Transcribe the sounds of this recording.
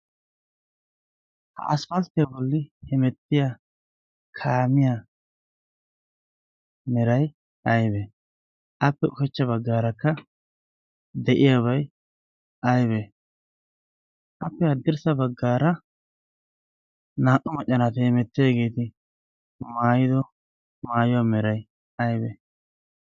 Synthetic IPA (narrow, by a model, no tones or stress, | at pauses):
hɐ̰ʔɐsfɐlt̪ːɪjabɔlːɪhɛmɛt̪ːɪja | kʰaːmɪja | mɛɾɐj | ʔɐjbɛ | ʔɐpːɛʊkɛt͡ʃːɐbɐɡːaːɾɐkːɐ | d̪ɛʔɪjaβɐj | ʔɐjbɛ | ʔɐpːɛhɐd̪ːɪɾsɐbɐɡːaːɾɐ | naːʔʊmɐt͡ʃʼːɐnat̪eːmɛt̪ːɪjaɡe̞ːt̪ɪ | maːjɪd̪ɔ | maːjʊwamɛɾɐj | ɐjbɛ̰